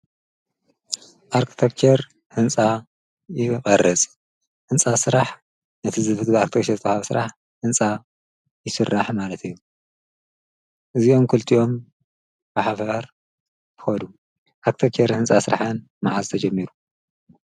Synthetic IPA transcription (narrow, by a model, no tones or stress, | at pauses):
ʔaɾkʰi̥t̪ʰekt͡ʃʰeɾ | hɨnt͡sʼa | jɪχʼɐrɐt͡sʼ | hɨnt͡sʼasɨɾaħ | nɐt̪ʰizɨfɨd̪ɡaɾkit̪ʰekt͡ʃʰezɨt̪ʰɐhaβsɨɾaħ | hɨnt͡sʼa | jɪsɨrːaħmalɐt̪ɨjːu | ʔɨzio̞mkʰɨlt̪ʰiʔo̞m | baħafɐɾ | t̪ʰɨ̥xɐd̪u | ʔaɾki̥t̪ʰekt͡ʃʰeɾhɨnt͡sʼasɨɾa̰ħɐn | maʕazt̪ʰɐd͡ʒɐmːiɾu